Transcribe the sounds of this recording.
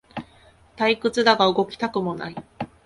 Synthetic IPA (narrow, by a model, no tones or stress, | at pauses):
t̪aikɯ̟t͡sɨd̪aɡaɯ̟ɡo̞kʲi̥t̪akɯ̟mo̞na̰i